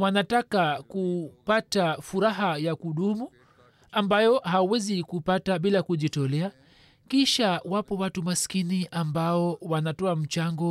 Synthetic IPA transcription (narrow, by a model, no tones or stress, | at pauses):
wanatakakupatafuɾaɦajakuɗumu | ambajɔhawuwɛzikupataɓilakuʄitɔlɛa | kiʃawapɔwatumaskiniʔambaɔwanatɔam̩t͡ʃaŋɡɔ